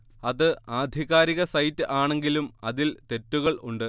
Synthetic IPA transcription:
ɐðɨaːd̪ʱiɣaːɾiɣɐsɐjtːɨʔaːɳe̞ŋɡilumɐðilt̪e̞tːuɣɐɭuɳɖɨ

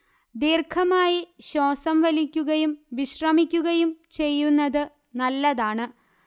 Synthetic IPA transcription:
d̪iːrkʰɐmaːjiɕo̞ːsɐmʋɐlikʲːuɣɐjumʋiɕrɐmikʲːuɣɐjumt͡ɕe̞jːunːɐðɨ | nɐlːɐðaːɳɨ

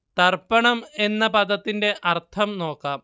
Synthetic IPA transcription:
t̪ɐrpːɐɳɐme̞nːɐpɐd̪ɐt̪ːinde̞ʔɐrt̪ʰɐmno̞ːkːaːm

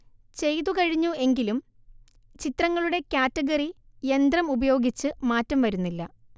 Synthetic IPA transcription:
t͡ɕe̞jðukɐɻiɲːue̞ŋɡilum | t͡ɕit̪rɐŋːɐɭuɽe̞kʲjaːtːɐɣɐri | je̞nd̪rɐmubɐjo̞ːɡit͡ɕːɨmaːtːɐmʋɐɾunːilːɐ

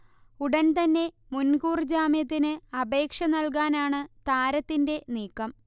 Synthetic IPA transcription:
uɽɐnt̪ɐnːe̞ | munkuːrd͡ʑaːmjɐt̪̬ːinɨɐbe̞ːkʂɐnɐlk̬aːnaːɳɨt̪aːɾɐt̪ːinde̞niːkːɐm

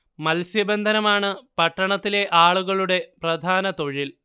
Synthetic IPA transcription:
mɐlsjɐbɐnd̪ʱɐnɐmaːɳɨpɐʈːɐɳɐt̪ːile̞ʔaːɭuɣɐɭuɽe̞prɐd̪ʱaːnɐt̪o̞ɻil

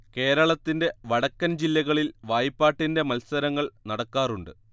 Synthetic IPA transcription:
ke̞ːɾɐɭɐt̪ːinde̞ʋɐɽɐkːɐnd͡ʑilːɐɣɐɭilʋaːjpːaːʈːinde̞mɐlsɐɾɐŋːɐɭnɐɽɐkːaːruɳɖɨ̰

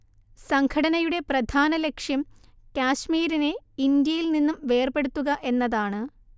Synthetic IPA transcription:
sɐŋɡʰɐɽɐnɐjuɽe̞prɐd̪ʱaːnɐle̞kʂjɐm | kaːɕmiːɾineind̪jɐjilninːumʋe̞ːrbe̞ɽut̪ːuɣɐʔe̞nːɐðaːɳɨ

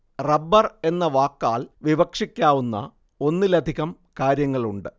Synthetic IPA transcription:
rɐbːɐre̞nːɐʋaːkːaːɭʋiʋɐkʂikʲːaːʋunːɐ̰ | o̞nːɨlɐd̪ʱiɣɐm | kaːɾjɐŋːɐɭuɳɖɨ

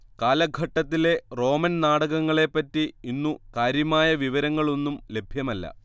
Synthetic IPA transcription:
kaːlɐɡʱɐʈːɐt̪̬ːile̞ro̞ːmɐnnaːɽɐɣɐŋːɐɭe̞pːɐtːiinːukaːɾjɐmaːjɐʋiʋɐɾɐŋːɐɭo̞nːumle̞bʱjɐmɐlːɐ̰

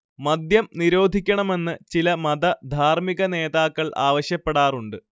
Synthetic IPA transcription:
mɐd̪jɐmniɾo̞ːd̪ʱikʲːɐɳɐme̞nːɨt͡ɕilɐmɐd̪ɐd̪ʱaːrmiɣɐne̞ːðaːkːɐɭʔa̰ːʋɐɕjɐpːe̞ɽaːruɳɖɨ

